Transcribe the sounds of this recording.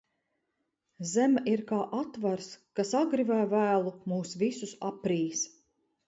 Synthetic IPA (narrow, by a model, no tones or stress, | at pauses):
zæmaʔiɾkaːʔat̪vaɾskasaɡɾivæːvæːlˠumuːsvisusapɾiːs